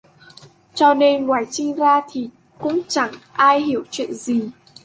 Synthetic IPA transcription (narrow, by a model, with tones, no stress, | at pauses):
t͡ɕɔ˧ne˧nŋwaː˨˩jt͡ɕï˧ŋzaː˧t̪ʰi˨˩ | kʊ̰˧˥ŋ͡mt͡ɕa˧˩ŋʔaː˧jɦi˧˩əwt͡ɕwḭ˧˨ə˨nzi˨˩